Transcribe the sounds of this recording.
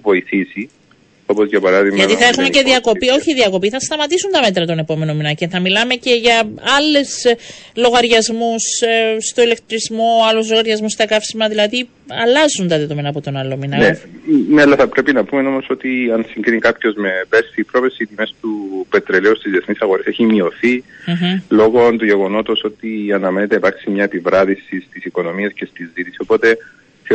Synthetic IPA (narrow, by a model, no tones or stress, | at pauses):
vo̞iθisi | o̞po̞zʝɐpɐɾɐðimʝɐt̪iθɐexumeceðiɐko̞pio̞çiðiɐko̞piθɐst̪ɐmɐt̪isunt̪ɐme̞t̪ɾɐt̪o̞ne̞po̞me̞nominɐceθɐmilɐme̞ce̞ʝɐɐlːe̞s | lo̞ɣɐɾʝɐzmusst̪o̞ile̞k̚t̪ɾizmo̞ɐluzlo̞ɣɐɾʝɐzmust̪ɐkɐfsimɐðilɐði | ɐlɐzunt̪ɐðeðomenɐːpot̪o̞nɐlominɐneneɐlːɐθɐpɾe̞pinɐpumeno̞mo̞so̞t̪iɐnsiŋɡɾinikapço̞zme̞besθipɾo̞vesit̪ime̞st̪upet̪ɾeleust̪izðie̞θnisɐɣoɾese̞çimio̞θi | lo̞ɣont̪uʝe̞ɣo̞no̞t̪oso̞t̪iɐnɐme̞net̪eipɐɾksimɲɐepivɾɐðisist̪isiko̞no̞miɐsce̞st̪izðit̪isi̥so̞po̞t̪e̞ | θ